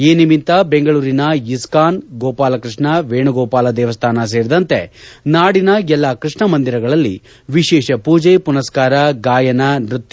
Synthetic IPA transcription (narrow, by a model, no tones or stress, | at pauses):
eːnimint̪ɐbeŋɡɐɭuːɾinɐjiskaːnɡɔːpaːlɐkɾɨʂɳɐʋeːɳuɡɔːpaːlɐd̪ɛːʋɐst̪ʰaːnɐs̬eːɾid̪ɐnt̪e̞naːɽinɐɛlːaːkɾɨʂɳɐmɐnd̪iɾɐɡɐɭɐlːi | ʋiʃɛːʃɐpuːd͡ʒejpunɐskaːɾɐɡaːjɐnɐnɾut̪ː